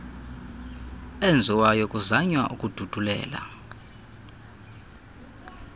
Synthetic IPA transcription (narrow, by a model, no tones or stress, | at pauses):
end͡zʱiwajɔkʼuzaɲwaʔukʼud̥ʱud̥ʱulɛ̰ːla̰